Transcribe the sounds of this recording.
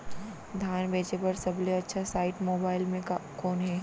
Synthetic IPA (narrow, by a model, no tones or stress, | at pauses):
d̪ʱjaːnbeːt͡ʃepɐɾsɐbleɐtːʃʰasaːɪʈmoːbaːɪlmẽkɔːnɦɛ